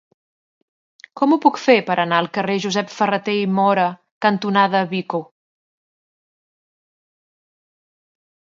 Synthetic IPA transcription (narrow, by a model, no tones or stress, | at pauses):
kɔmupukfepəɾʔənaəlˠkəreʒuzɛpfərət̪eimɔɾə | kənt̪unaðəβiko